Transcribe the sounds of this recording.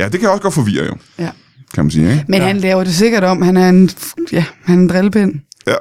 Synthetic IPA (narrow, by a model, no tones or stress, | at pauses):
jæd̥e̝kʰæjaɒ̽sɡ̥ɒ̽d̥fɒ̽ʋḭːɐɐ̰jo̝ | jæ | kʰæmænsḭːmenhænlɛːʊɐd̥e̝s̬e̝ɡ̥ɐɾ̥ɒ̽mhænæɐe̝njæhænæɐend̥ʁelb̥en̰jæ